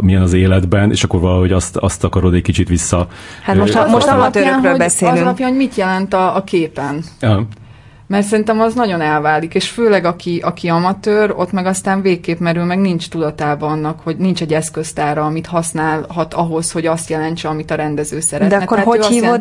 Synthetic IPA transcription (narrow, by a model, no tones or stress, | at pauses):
mijɛnɒzeːlɛd̪bɛnḛːʃɒkːo̞ɾvɒlɦo̞ɟɒst̪ɒst̪ːɒkɒɾod̪ɛc̚ʲkit͡ʃit̪ʋisːɒhat̪moʃmoʃmɒpt̪ːjaːnɦøːobɛseːzlylɒpjanɦoɟmit̪jɛlɛnt̪ɒːkeːpɛnɦ | mɛrt̪sɛɾint̪ɛmɒznɒɟo̞nɛlvaːlikeːʃføːlɛɡɒkiʔɒkiɒmɒt̪øːɾo̞̰t̪mɛɡɒst̪aːɱveːkːeːpmɛɾylmɛɡnint͡ʃt̪ud̪ɒt̪aːbɒɒnːɒkho̞ɟnint͡ʃɛɟːɛskø̞st̪aːɾɒɒmit̪hɒsnaːlɦɒt̪ɒɦo̞sho̞ɟɒst̪jɛlɛnt͡ʃɛɒmit̪ɒɾɛnd̪ɛzøːsɛɾɛt̪ɛɛt̪ːatːɒsio